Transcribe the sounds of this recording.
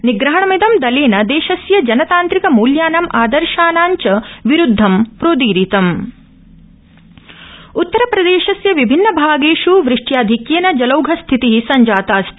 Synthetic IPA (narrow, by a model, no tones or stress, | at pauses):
niɡɾɐɦɐɳɐmid̪ɐmd̪ɐleːnɐd̪eːʃɐsjɐd͡ʒɐnɐt̪aːnt̪ɾikɐmuːljaːnɐmʔaːd̪ɐɾʃaːnaːɲt͡ʃɐʋiɾud̪ʱːɐmpɾoːd̪iːɾit̪ɐm | ut̪ːɐɾɐpɾɐd̪eːʃɐsjɐʋibʱinːɐbʱaːɡeːʃuʋɾɪʂʈjaːd̪ʱikjeːnɐd͡ʒɐlɐwɡʱɐst̪ʰit̪iɦisɐɲd͡ʒaːt̪aːst̪ʰ